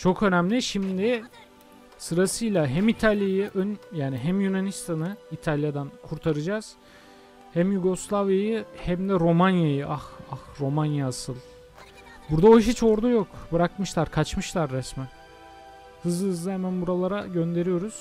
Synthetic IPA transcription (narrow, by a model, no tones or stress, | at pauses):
t͡ʃʰo̞kʰø̞næmlʲiʃimd̪ɪ | sɯɾasɯjlˠaɦæmit̪ʰalʲjajɯʔønjaːniɦæmjynanist̪ʰanɯit̪ʰalʲjad̪ankʰuɾt̪ʰaɾɯd͡ʒaz̥ | hæmjuɡo̞slˠavjajɯhæmd̪ɛɾo̞manjajɯʔahahɾo̞manjaːsɯlˠ | buɾd̪aoʃit͡ʃʰo̞ɾd̪ajo̞kbɯɾakmɯʃlˠaɾkʰat͡ʃmɯʃlˠaɾːɛsmɛ | hɯzɯhɯzlˠɯhemænbuɾalˠaɾaɟø̞nd̪e̞ɾijo̞ɾuz̥